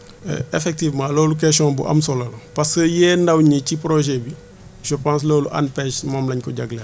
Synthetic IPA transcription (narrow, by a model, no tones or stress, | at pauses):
ɛ̰efɛk̚tivmãːlɔːluk̬ɛʃɔ̃ːbṵʔɐ̰msɔlɐlupɐskəjɛːndɐwɲicipɾoʒɛbi | ʃɔpãns̬loːluʔɐ̰npɛʃmɔmlɐɲkɔɟɐɡlɐ